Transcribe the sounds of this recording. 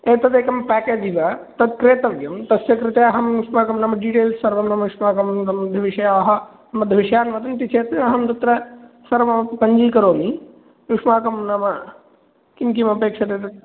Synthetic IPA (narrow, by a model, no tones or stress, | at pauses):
eːt̪ɐt̪eːkɐmpɛːkeːd͡ʒ̪ʱiʋɐt̪ɐd̪kɾeːt̪ɐʋjɐmt̪ɐsjɐkɾɪt̪eɐɦɐmnukʂmaːkɐmnɐmɐɖiʈeːlsːɐɾʋɐmnɐmɐukʂmaːkɐmnɐmɐd̪ʱɐʋiʂɐjaɐɦɐ̆ | nɐmɐd̪ʱɐʋiʃɐjaːnʋɐt̪ɐnt̪it͡ʃʰeːt̪ɐɐɦɐmt̪ɐt̪ɾɐ | sɐɾʋɐmɐpɐɲd͡ʒiːkɐɾoːmi | nukʂmaːkɐmnɐmɐ | kimkimɐpeːkʂɐt̪eːt̪ɐ